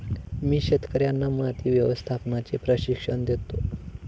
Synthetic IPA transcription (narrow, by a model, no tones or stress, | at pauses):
miːɕet̪kəɾjanːamat̪iːʋjəʋəst̪ʰapnat͡sepɾəɕikʂəɳd̪et̪o